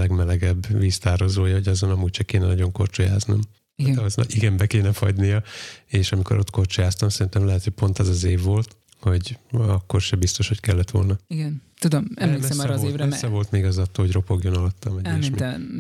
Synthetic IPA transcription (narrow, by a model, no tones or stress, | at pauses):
lɛɡmɛlɛɡɛbːʋiːst̪aːɾozoːjɒho̞ɟɒzonɒmuːct͡ʃɛkeːnɛnɒɟoŋkort͡ʃojaːznom | iɒzn̰iɡɛmbɛkeːnɛfɒɟnijɒeːʃɒmiko̞ɾo̞t̪ko̞rt͡ʃojaːst̪ɒmsɛɾint̪ɛmlɛɦɛt̪hoc̚ʲpo̞nt̪ɛzɒzeːvːo̞lt̪ | ho̞ɟɒkːo̞rʃɛbist̪o̞ʃho̞ckɛlːɛt̪ʋo̞̰lnɒiɡɛnt̪ud̪omɛmleːksɛmɔːɾːɒzeːvɾɛsɛvo̞lt̪meːɡɒzɒt̪ːoːɦoɟro̞po̞ɡjonɒlɒt̪ːɒmɛiɛʃmiɛ